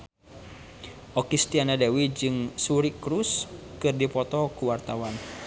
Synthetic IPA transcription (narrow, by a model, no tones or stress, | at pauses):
ʔɔkist̪ianadɛwid͡ʒɨŋsuɾikɾuskɨrdipɔt̪ɔkuwart̪awan